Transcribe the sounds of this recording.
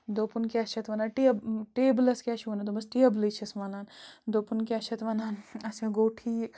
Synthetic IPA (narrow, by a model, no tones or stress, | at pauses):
d̪oːpunkiɐʃʰɐt̪ʋɐnaːnʈebʈeːblɐskiɐʃʰonɐd̪omɐsʈiɐblit͡ʃʰɐsmɐnaːnd̪oːpunkiɐʃʰɐt̪ʋɐnaːnɐt͡ʃɐ̃ɡoːʈʰiː